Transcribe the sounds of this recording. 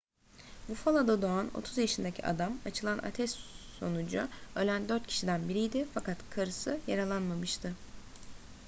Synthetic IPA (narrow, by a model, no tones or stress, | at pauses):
bufalˠad̪ad̪oano̞̰t̪ʰuzjaʃɯnd̪acʰḭʔa̰d̪amat͡ʃʰɯlˠanʔa̰t̪ʰɛsːo̞̰nud͡ʒuølʲænd̪ø̞ɾt̪̚cʰi̥ʃid̪ænbiɾijd̪ɪfakʰat̪kʰaɾɯsɯjaɾalˠanmamɯʃt̪ʰɯ